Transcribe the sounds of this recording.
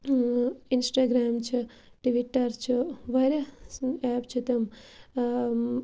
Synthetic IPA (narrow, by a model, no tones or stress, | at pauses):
insʈaːɡɾaːmt͡ʃʰi | ʈiʋiʈːɐɾt͡ʃʰiʋaɾjaɛːpt͡ʃʰit̪ɐm